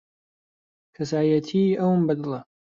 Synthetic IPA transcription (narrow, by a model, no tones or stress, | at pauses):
kʰɐsaːjɐt̪ʰiɐwmbɐd̪ɨlˠɐ